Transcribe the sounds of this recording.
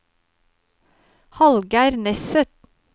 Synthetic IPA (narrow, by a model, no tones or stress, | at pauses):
hɑlɡəæːɾnɛsət̪